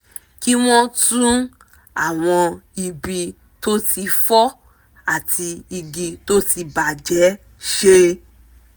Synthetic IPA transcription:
ki˦w̃ɔ̃˦tũ˦ | a˦˨w̃ɔ̃˧i˧bi˧ | to˦tʰi˧fɔ˦ | a˦˨tʰi˧i˧ɡi˧to˦ti˧ba˨d͡ʒɛ˨˦ | ʃe˦

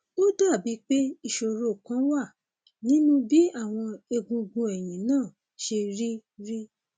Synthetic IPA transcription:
o˦da˦˨bi˨˦k͡pe˦i˧ʃo˧ɾo˧˨kã˨˦wa˦˨ | nĩ˦nũ˦bi˦a˦˨w̃ɔ̃˧e˧ɡũ˧ɡũ˧ɛ˨jĩ˨nãː˦˨ | ʃe˧ɾi˦ɾi˦

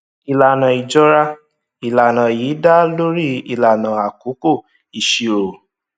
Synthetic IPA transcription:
i˨la˨nã˨i˨d͡ʒɔ˦ɾa˦ | i˨la˨nã˨jiː˨˦da˦lo˦ɾi˦i˨la˨nã˨a˨ku˨˦ko˦˨ | i˨ʃi˨ɾo˨

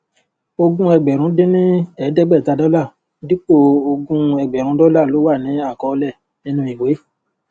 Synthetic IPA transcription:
o˧ɡũ˦ɛ˧ɡ͡bɛ˨ɾ̃ũ˨˦de˦nĩ˦ɛ˨˦dɛ˦ɡ͡bɛ˦˨ta˧dɔ˦la˦˨˦ | di˦k͡po˦˨o˧ɡũ˧˦ɛ˧ɡ͡bɛ˨ɾ̃ũ˨˦dɔ˦la˦˨lo˨˦wa˦˨nĩ˨˦a˦˨kɔ˧lɛ˦˨ | nĩ˦nũ˧˦i˨we˨˦

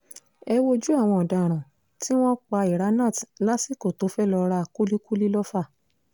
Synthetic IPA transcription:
ɛ˧wo˧d͡ʒu˦a˦˨w̃ɔ̃˧ɔ˨da˨ɾ̃ã˨ | ti˦w̃ɔ̃˦k͡pa˧i˨ɾa˨˦nã˦˨tla˦si˦˨ko˨to˨˦fɛ˦lɔ˧ɾa˧ku˦li˦ku˦li˦lɔ˦fa˦˨

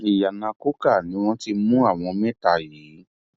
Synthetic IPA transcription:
i˨ja˨nã˨˧ko˦ka˦˨nĩ˨˦w̃ɔ̃˦ti˧mũ˦a˦˨w̃ɔ̃˧mɛ̃˦˨ta˦˨ji˨˦

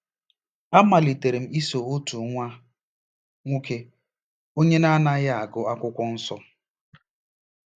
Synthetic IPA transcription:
a˦ma˨li˨te˨ɾe˨m̩˦i˦so˨o˦tu˨ŋʷa˦ | ŋʷu˦ke˦ | o˦ɲe˦na˦na˦ja˦a˨ɡʊ˨a˦kʷʊ˦kʷɔ˦n̩˦sɔ˦

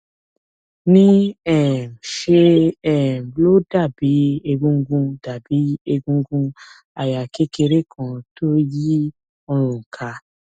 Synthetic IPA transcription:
nĩ˦ɛ˦˨ʃe˧ɛ˦˨blo˦da˦˨bi˨˦e˧ɡũ˧˦ɡũ˧da˨bi˨˦e˧ɡũ˧ɡũ˧ | a˨ja˨ke˦ke˧ɾe˦kʰã˧to˦ji˦ | ɔ˧ɾ̃ũ˨kʰa˧˦

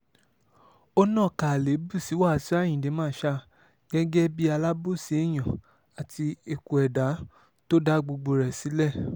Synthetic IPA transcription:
o˦nã˦˨ka˨le˨˦bu˦˨si˨˦wa˦˨si˦a˦˨j̃ĩ˨de˨˦mãː˦˨˦ʃa˧ | ɡ̥ɛ˦ɡɛ˦bi˦a˧la˦bo˦˨si˨˦e˦˨j̃ã˨ | a˨ti˧e˨ku˨ɛ˨da˨˦ | to˦da˦ɡ͡bu˧ɡ͡bo˧ɾɛ˨si˨˦lɛ˦˨

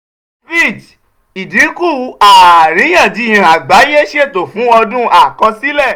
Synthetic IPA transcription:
vi˦˨d͡ʒ | i˨dĩ˨˦ku˦˨u˨˦a˦˨a˨ɾ̃ĩ˨˦j̃ã˦˨d͡ʒi˨˦˨j̃ĩ˧˨a˨ɡ͡ba˨˦je˦ʃe˦˨to˨fũ˨˦ɔ˧dũ˦a˦˨kɔ˧si˦lɛ˦˨

